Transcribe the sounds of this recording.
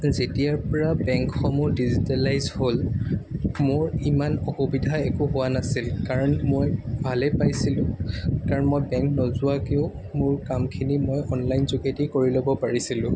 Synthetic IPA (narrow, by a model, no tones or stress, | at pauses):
zetijaɹpɔɹabɛŋkxɔmʊdizitalajzhol | mʊɹimanɔxubidʱaɛkʊɦʊwanasilkaɹɔnmojbʱalɛpajsilʊ̃kaɹɔnmojbɛŋknɔzʊwakeʊ | mʊɹkamkʰinimojɔnlajnzuketikoɹilobɔpaɹisilʊ̃